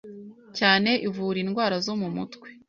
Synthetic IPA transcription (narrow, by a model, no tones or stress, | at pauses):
caːne̞ʔivuːɾinɡwaːɾazomumṵtwe̥